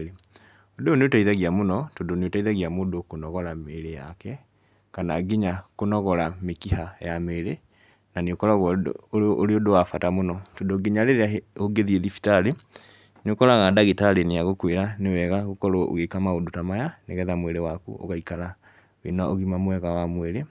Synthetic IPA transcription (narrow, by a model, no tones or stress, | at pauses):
odeoneotaiðaɣiamonɔtodoneotaiðaɣiamoːdokonɔɣɔɾameɾeja̰kɛ | kanaɡiɲakonɔɣɔɾamekihajameɾe | naneokɔɾaɣɔ | ɾeodowafatamonɔtodoɡiɲaɾeɾeaeoɡeðieðifi̥tale | nokɔɾaɣadaɣetaleneaɣokweɾanewɛɣaɣokɔɾoo̰ɣekamaodotamajaneɣɛðamweɾewakṵo̰ɣaikala | wḛnaoɣimamwɛɣawamweɾe